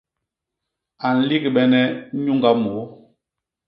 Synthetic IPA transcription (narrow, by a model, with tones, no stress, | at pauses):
a˨n̩˨˦li˦ɡi˨ɓɛ˨nɛ˦ɲu˦ŋɡa˦mo˨˦